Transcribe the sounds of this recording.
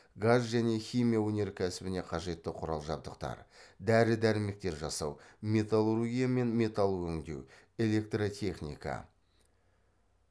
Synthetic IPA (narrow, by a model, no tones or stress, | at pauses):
ɡazʒæne̞xʲijmijawɵne̞ɾkʲʰæsɪbɪneqʰɑʒe̞t̪ːɪqʰʊɾɑlˠʒɑb̚d̪əqt̪ɑ̰ɾd̪æɾɪd̪æɾɪme̞k̚t̪e̞ɾʒɑsɑwmʲe̞t̪alˠoɾoɡʲijame̞nmʲe̞t̪ɑlˠwɵŋd̪e̞̰w | e̞le̞k̚t̪rot̪ʲʰe̞χnḭkɑ̰